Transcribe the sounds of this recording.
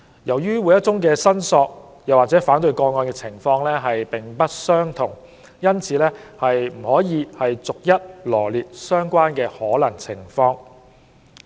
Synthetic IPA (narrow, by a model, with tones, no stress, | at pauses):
jɐ˨˩wjyː˥wuː˨˧jɐ˥t̚t͡sʊ˥ŋkɛː˧sɐ˥nsɔː˧k̚ | jɐ˨waː˨t͡sɛ˨˥faː˨˥nt̪ɵ˧ɥkɔː˧ŋɔː˧nkɛ˧t͡sʰɪ˨˩ŋfɔː˧ŋlɛː˥ɦɐ˨jpɪ˨˩ŋpɐ˥t̚sœː˥ŋt̪ʰʊ˨˩ŋ | jɐ˥nt͡sʰiː˨˧lɛː˥hɐ˨jm̩˨˩hɔː˨˥jiː˧hɐ˨jt͡sʊ˨k̚jɐ˥t̚lɔː˨˩liː˨t̚sœː˥ŋkʷwaː˥nkɛː˧hɔː˨˥lɐ˨˩ŋt͡sʰɪ˨˩ŋfɔː˧ŋ